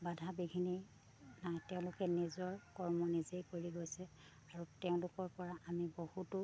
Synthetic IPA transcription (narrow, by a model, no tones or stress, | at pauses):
badʱabiɡʱini | najtɛʊ̃lʊkɛnizɔɹkɔɹmɔnizejkoɹiɡojsɛ | aɹutɛʊ̃lʊkɔɹpɔɹaʔamibohutʊ